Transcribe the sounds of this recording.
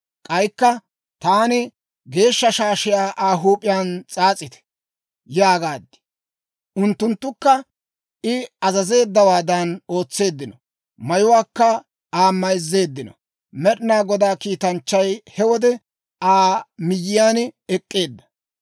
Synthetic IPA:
kʼɐjkːɐ | t̪aːnɪ | ɡe̞ːʃːɐʃaːʃɪjaːʔaːɦuːpʼɪjaːnt͡sʼaːt͡sʼːɪt̪ɛ̥ | jaːɡaːd̪ɪ̥ | ʔʊnt̪ːʊnt̪ːʊkːɐ | ʔɪɐzɐze̞ːd̪ːɐwaːd̪ɐno̞ːt͡sːe̞ːd̪ːɪnɔ | mɐjʊwaːkːɐ | aːmɐjzːe̞ːd̪ːɪnɔ̰ | mɛɗɪnaːɡɔd̪aːkiːt̪ɐnt͡ʃːɐjhɛwɔd̪ɛ | aːmɪjːɪjaːnɛkʼːe̞ːd̪ːɐ̥

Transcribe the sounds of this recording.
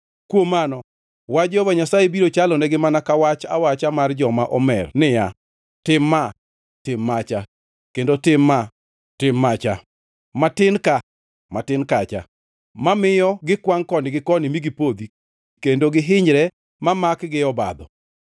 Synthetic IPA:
kwomanɔ | wad͡ʒɔbaɲasajebiɾot͡ʃalɔnɛɡɪmanakawat͡ʃa̰wat͡ʃamard͡ʒɔmaʔɔmɛrnɪja | tɪmːa | tɪmːat͡ʃa | kendotɪmːa | tɪmːat͡ʃa | matɪnka | matɪnkat͡ʃa̰ | mamɪjɔɡɪkwaŋkɔnɪɡɪkɔnɪmiɡɪpod̪i | kendoɡɪɦɪɲɾɛ | mamakɡɪɔba̰d̪ɔ̰

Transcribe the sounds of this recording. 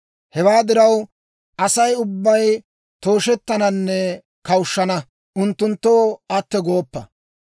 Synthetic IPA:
hɛwaːd̪ɪɾɐw | ʔɐsɐjʊbːɐj | t̪o̞ːʃɛt̪ːɐnɐnːɛ | kɐwʊʃːɐnɐ | ʔʊnt̪ːʊnt̪ːoːɐt̪ːɛɡo̞ːpːɐ

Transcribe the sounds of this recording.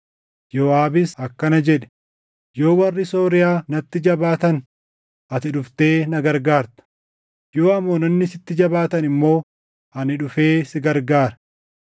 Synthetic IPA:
joːaːbɪsɐkːɐnɐd͡ʒɛᶑɛ̥ | jo̞ːwɐrːɪso̞ːɾɪjaːnɐt̪ːɪd͡ʒɐbaːt̪ɐn | ʔɐt̪ɪᶑʊft̪e̞ːnɐɡɐɾɡaːɾt̪ɐ̥ | jo̞ːɐmːoːnɐnːɪsɪt̪ːɪd͡ʒɐbaːt̪ɐnɪmːo̞ː | ɐnɪᶑʊfe̞ːsɪɡɐɾɡaːɾɐ̥

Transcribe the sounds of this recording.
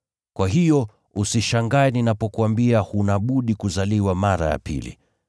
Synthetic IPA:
kwaɦijɔ | usiʃaŋɡaɛninapɔkuambiahunaɓuɗikuzaliwamaɾa̰ja̰pḭlḭ

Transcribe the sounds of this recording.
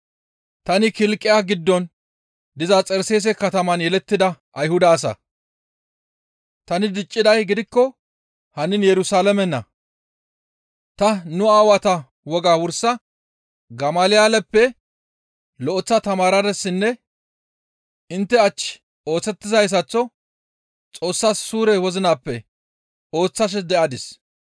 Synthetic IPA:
t̪ɐnɪkɪlkʼːɪjaːɡɪd̪ːɔn | d̪ɪzɐt͡sʼɛɾseːs̬ɛkɐt̪ɐmɐnjɛlɛt̪ːɪd̪ɐʔɐjhʊd̪aːs̬ɐ̰ | t̪ɐnɪd̪ɪt͡ʃʼːɪd̪ɐjɡɪd̪ɪkːɔ | hɐnɪnjɛɾʊsaːlɛmɛnːɐ̰ | t̪ɐnʊaːwɐt̪ɐ | wɔɡaːwʊɾsɐ | ɡɐmaːlɪjaːlɛpːɛ | lɔʔɔt͡sːɐt̪ɐmaːɾɐd̪ɛsːɪnːɛ | ɪnt̪ːɛɐt͡ʃː | o̞ːt͡sːɛt̪ːɪzɐjs̬ɐt͡sːɔ | t͡sʼo̞ːsːaːsːuːɾɛwɔzɪnaːpːɛ | o̞ːt͡sːɐʃ̬ɛd̪ɛʔɐd̪ɪs

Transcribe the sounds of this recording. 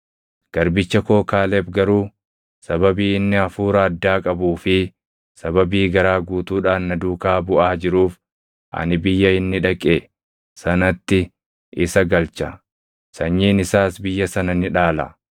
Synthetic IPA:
ɡ̥ɐɾbɪt͡ʃːɐkoːkaːlɛbɡɐɾuː | sɐbɐbiːɪnːɪɐfuːɾɐːd̪ːaːkʼɐbuːfɪ | sɐbɐbiːɡɐɾaːɡuːt̪uːᶑaːnnɐd̪uːkaːbʊʔaːd͡ʒɪɾuːf | ʔɐ̰nɪbɪjːɐɪnːɪᶑɐkʼe | sɐnɐt̪ːɪ | ɪsɐɡɐlt͡ʃɐ | sɐɲːiːnɪsaːsbɪjːɐsɐnɐnɪᶑaːlɐ̰

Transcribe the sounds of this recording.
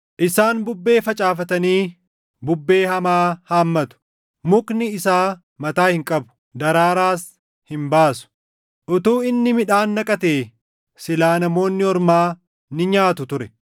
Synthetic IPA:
ʔɪsaːnbʊbːe̞ːfɐt͡ʃʼaːfɐt̪ɐniː | bʊbːe̞ːhɐmaːhaːmːɐt̪ʊ̥ | mʊknɪɪsaː | mɐt̪aːhɪŋkʼɐbʊ̥ | d̪ɐɾaːɾaːs | hɪmbaːsʊ̥ | ʔʊt̪uːɪnːɪmɪᶑaːnːɐkʼɐt̪eː | sɪlaːnɐmo̞ːnːɪɔɾmaː | nɪɲaːt̪ʊt̪ʊɾɛ

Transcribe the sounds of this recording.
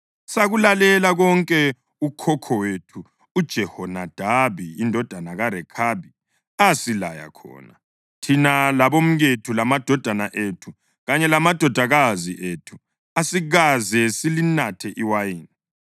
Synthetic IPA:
saɣulalɛlaɣɔŋkʼɛ | ukʰɔkʰɔwetʰuː | d̥ʒ̥ʱɛhɔnad̥ʱaβiːndʱɔd̥ʱanaɣaɾɛkʰabi | asila̰ja̰kʰɔ̰ːna | tʰinalaβom̩ɣetʰulamad̥ʱɔd̥ʱanaʔetʰu | ɣaɲɛlamad̥ʱɔd̥ʱaɣaziʔetʰu̥ | asiɣazɛsilinatʰɛʔiwajiːni

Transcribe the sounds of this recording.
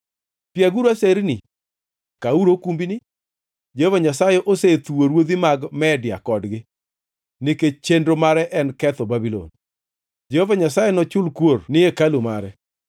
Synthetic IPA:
pjaɡuɾuaseɾnɪ | kauɾokumbinɪ | d͡ʒɛhovaɲasajɛʔoset̪uwoɾwod̪imaɡmɛdɪa̰kɔdɡɪ | nɪket͡ʃendɾomaɾɛʔɛnkɛt̪ɔbabilɔ̰n | d͡ʒɛhovaɲasajenɔt͡ʃʊlkwornɪekalumaɾɛ

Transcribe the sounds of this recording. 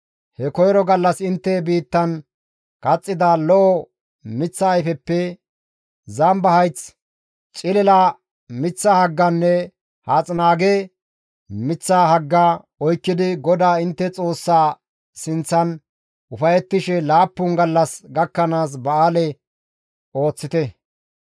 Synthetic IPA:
hɛkɔjɾɔɡɐlːɐsɪnt̪ːɛbiːt̪ːɐn | kʼɐt͡sʼːɪd̪alɔʔɔ | mɪt͡sːɐːjfɛpːɛ | zɐmbɐhɐjt͡s | t͡ʃʼɪlɛlɐ | mɪt͡sːɐhɐɡːɐnːɛ | haːt͡sʼnaːɡe | mɪt͡sːaːɦɐɡːɐ | ɔjkːɪd̪ɪɡɔd̪aːɪnt̪ːɛt͡sʼo̞ːsːaː | sɪnt͡sːɐn | ʊfɐjɛt̪ːɪʃɛlaːpːʊŋɡɐlːɐsɡɐkːɐnaːs̬bɐaːlɛ | o̞ːt͡sːɪt̪ɛ

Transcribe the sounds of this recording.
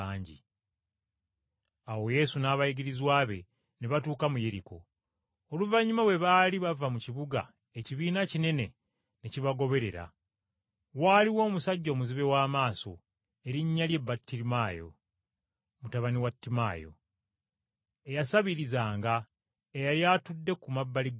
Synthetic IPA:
aːɲɟḭ | awo̞je̞sunaːβajiɡiɾizwaːβe̞ | neβatuːkamuje̞ɾiko̞̰ | oluvaɲːumawe̞βaːliβavamuciβuɡa̰ | eciβiːnacine̞ne̞ | neciβaɡo̞βe̞ɾe̞ɾa̰ | waːliwo̞ːmusaɟːo̞ːmuziβe̞waːmaːso̞̰ | e̞ɾiɲːalje̞bːatːiɾimaːjo̞̰ | mutaβaniwatːima̰ːjo̞̰ | e̞jasaβiɾizaːŋɡa | ejaljatudːe̞kumabːaliɡ

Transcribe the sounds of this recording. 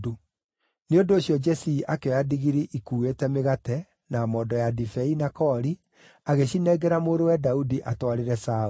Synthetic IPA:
du | neondoːɕjɔd͡ʒɛsiiʔakeɔjadiɣiɾiʔikuːetɛmeɣatɛ | namɔːdɔjadifɛinakɔːɾi | aɣeɕinɛɡɛɾamoːɾowɛdaudiʔatɔaɾeɾɛsa

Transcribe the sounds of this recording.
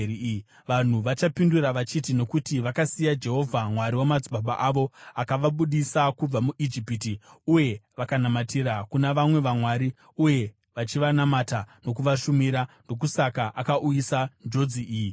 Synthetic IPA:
ʋan̤uʋat͡ʃapinduɾaʋat͡ʃitino̞kutiʋakasijad͡ʒe̞ɦo̞vʱamwaɾiwamad͡ziɓaɓaʔaʋo̞akaʋaɓuɗisakub͡vamuʔid͡ʒipitiuje̞ʋakanamatiɾakunaʋamwe̞ʋamwaɾi | uje̞ | ʋat͡ʃiʋanamatano̞k̬uʋaʃumiɾando̞k̬usakaʔakaʔujisand͡ʒo̞d͡ziʔiːji

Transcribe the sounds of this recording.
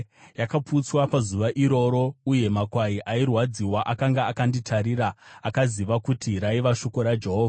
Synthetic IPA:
jakaput͡swapazuʋaʔiɾo̞ɾo̞uje̞makwaiʔairwad͡ziwaʔakaŋɡaːkanditʰaɾiraːkaziʋakutiɾaiʋaʃo̞ko̞ɾad͡ʒe̞ɦo̞ːvʱaa

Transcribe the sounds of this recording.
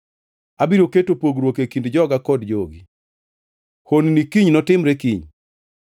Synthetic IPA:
abiɾoketopoɡɾwokekindd͡ʒɔɡakɔdd͡ʒoɡi | honnikiɲnɔtɪmɾekiɲ

